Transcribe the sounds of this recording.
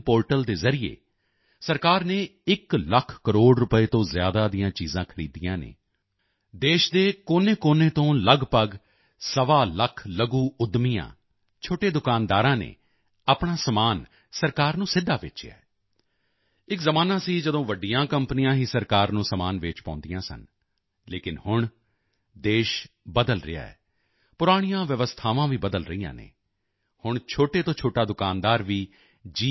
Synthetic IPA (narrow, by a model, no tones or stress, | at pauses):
poːɾʈəld̪eːzəɾɪḛː | səɾkaːɾneːɪkləkʰkəɾoːɖɾʊpəeːt̪õːzjaːd̪aːd̪ɪjãːt͡ʃiːzãːkʰəɾḭːd̪ijãːnḛː | d̪eːʃd̪eːkoːnẽːkoːneːt̪õːləɡpəɡ | səʋaːləkʰləɡuːʊd̪mijã̰ː | t͡ʃʰoːʈeːd̪ʊkaːnd̪aːɾãːnḛː | aːpɳaːsəmaːn | səɾkaːɾnũːsɪd̪ʱːaːʋɪ̰t͡ʃɛ̰ː | ɪkzəmaːnaːsiːd͡ʒəd̪õːʋəɖijãːkəmpnijãːɦiːsəɾkaːɾnũːsəmaːnʋeːt͡ʃpɔ̰̃ːnd̪ijãːsə̰n | leːkɪnhʊɳ | d̪eːʃ | bəd̪əlɾɪ̰a̰ːɛ̰ː | pʊɾaːɽ̃ijãːʋjəʋəst̪ʰaːʋãːʋiːbəd̪əlɾəiːã̰ːnḛː | hʊɳt͡ʃʰoːʈeːt̪õːt͡ʃʰoːʈaːd̪ʊkaːnd̪aːɾʋiː | d͡ʒiː